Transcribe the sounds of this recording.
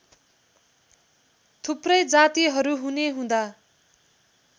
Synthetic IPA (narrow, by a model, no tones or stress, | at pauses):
t̪ʰuprʌjd͡zat̪iɦʌɾuɦuneɦũd̪a